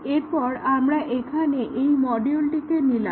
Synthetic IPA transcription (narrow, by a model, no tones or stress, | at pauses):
eɾpɔɾamɾaʔekʰaneʔejmɔɖiolʈikemila̰